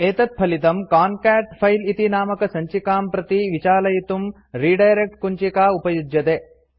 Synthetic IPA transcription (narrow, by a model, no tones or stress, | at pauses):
eːt̪ɐt̪̚pʰɐlit̪ɐmkaːnkaːʈpʰɐjlit̪inaːmɐkɐsɐɲt͡ʃikaːmpɾɐt̪iʋit͡ʃaːlɐjit̪um | ɾiːɖɐjɐɾek̚ʈkuɲt͡ʃikaːupɐjud͡ʒ̪jɐt̪eː